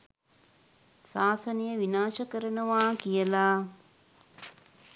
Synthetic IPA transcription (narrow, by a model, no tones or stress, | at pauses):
saːsənijəʋinaːʃəkəɾənəʋaːkijəlaː